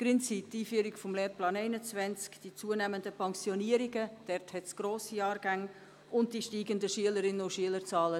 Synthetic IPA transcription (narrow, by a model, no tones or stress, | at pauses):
pɾɪnt͡sip̚tiːfyəɾikfɔmleːɾplɑːnɛɪnət͡svɛnt͡skd̥it͡suənæməndəpɛŋsjɔniːəɾiɡəd̥ɛrthɛtsɡ̥ɾoːsiɑːɾɡ̥aŋ | ʔʊntd̥iʃtiːɡəndəʃiələɾɪnəʊʃiələɾt͡sɑːlə